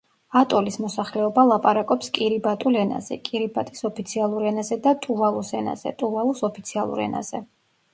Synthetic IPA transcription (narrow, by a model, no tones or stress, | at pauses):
at̪ʼɔlismɔsaχlɛɔbalˠapʼaɾakʼɔpskʼiɾibat̪ʼulɛna̰zɛ̰kʼiɾibat̪ʼisɔpʰit̪sʰialˠuɾɛnazɛd̪at̪ʼuvalˠusɛna̰z̥ɛ̰t̪ʼuvalˠɔsɔpʰit̪sʰialˠṵɾɛ̰na̰z̥ɛ